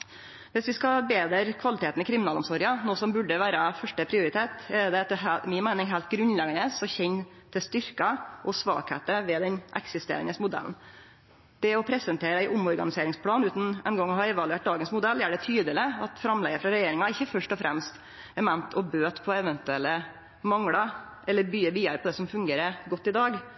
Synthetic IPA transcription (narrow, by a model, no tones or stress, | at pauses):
ʋɪsʋɪskɑbeːd̪əɾkʰʋɑlɪt̪ʰeːt̪n̩ɪkʰɾɪmɪnɑːlɔmsɔɾɑnoːsɔmbʉɖːəʋæːɾɑfœʂʈəpʰɾɪʊɾɪt̪ʰeːt̪ɛd̪ɛɦmɪnmæɪnɪŋɦæːlt̪̚ɡɾʉnlɛɡənəsɔçɛɲː | t̪ʰɪlst̪ʏɾkɑʔɔsʋɑ̰ːkhḛːt̪əʋɛd̪ɛnʔɛ̰ksɪst̪ḛːɾə̰nəsmʊd̪ɛ̰ln̩ | d̪̥ɛɔpʰɾɛsənt̪ʰeːɾəæɪʔʊmɔɾɡɑnɪseːɾɪŋspʰlɑːnʉːt̪n̩ɛ̰nɡɔŋːɔhɑɛʋɑlʉeːʈ̚d̪ɑːɡənsmʊd̪ɛlːæːɖɛt̪ʰyːd̪əlɪɑt̪fɾɑmlɛɡəfɾɑɾɛjeːɾɪŋɑɪçːəfœʂʈɔfɾʔɛmst̪ | ɛmɛnt̪ʰɔbøːt̪pʰɔɛʋɛnt̪ʉɛlːə | mɑŋɽɑ | ʔɛlːəɾbyːəʋiːɑɾpʰɔd̪ɛsɔmfʉŋɡeːɾəɾɡɔt̪ːɪd̪ɑːɡ